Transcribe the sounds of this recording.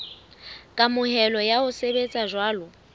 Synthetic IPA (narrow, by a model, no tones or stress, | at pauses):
kʼamʊɦɛlɔjaʊsebet͡sʼaʒwaːlɔ